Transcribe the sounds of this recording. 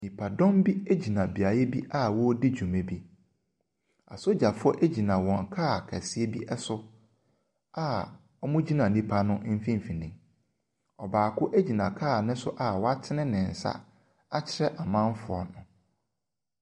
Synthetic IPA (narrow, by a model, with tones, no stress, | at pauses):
nĩ˨pʰa˨dɔ̃˦mbi˦e˦d͡ʑi˨nã˨bi˨a˨jɛ˦bi˦ʔa˦wɔ˦dɪ˦d͡ʑᶣu˨mɛ̃˨bi˦ | a̰˨so˦d͡ʑa˨fʊ˦ɔ˦ʔe˦d͡ʑi˨nã˨wɔ̃˨ŋ˨kʰaː˦˨kʰa˨si˦e˦bi˦ʔɛ˦sʊ˦ | a˦ | ɔ˦mʊ̃˦d͡ʑi˦nã˨nĩ˦pʰa˦nʊ̃˦ʔm̩˦fĩ˦m˨fi˨nĩ˨m | ɔ˨baː˨kʰʊ˦ʔe˦d͡ʑi˨nã˨kʰaː˦˨nɪ̃˦sʊ˦ʔa˨wɔ˦a˦tʰɪ˦nɪ̃˦nɪ̃˨n̩˨sa̰˦ | a˦t͡ɕʰɪ˦ɾɛ˦ʔa˨mã˦n˦fʊ˨ɔ̰˨nʊ̃˨